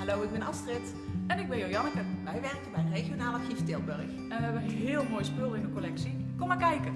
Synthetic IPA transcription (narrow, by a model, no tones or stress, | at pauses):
halowɪɡ̚bɛnɑstrɪt | ɛnɪɡ̚bɛnjojɑnəkəʋɛjʋɛrkəbɛjənrejɣjonaːlɑxiftɪlˠbørx | ɛnʋəɛʋənənɦɪːlˠmoːjspølˠɪndəkolɛksikomaːɹkɛjkə